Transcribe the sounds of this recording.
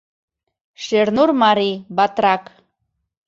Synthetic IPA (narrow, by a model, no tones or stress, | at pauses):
ʃeɾnurmɑɾibɑt̪ɾɑk